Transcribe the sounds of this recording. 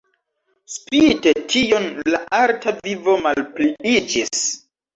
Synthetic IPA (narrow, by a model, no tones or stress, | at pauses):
spite̞tʰio̞nlaʔaltavivo̞malpliid͡ʒis